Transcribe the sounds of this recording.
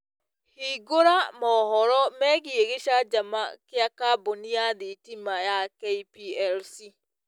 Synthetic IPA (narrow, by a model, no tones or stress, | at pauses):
hiːɡoɾamɔhɔɾɔmɛɣieɣeʃad͡ʒama̰kjakabonijaðitimajakeipiɛlsi